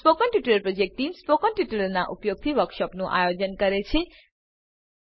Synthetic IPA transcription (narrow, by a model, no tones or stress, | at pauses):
spokʌnʈiʈulʌrprod͡zek̚ʈːimspokʌnʈiʈulʌrnaʔupjoɡ̚t̪ʰibʌrksʌpnoʔa̰jod͡zʌnɡʌɾet͡sʰĩ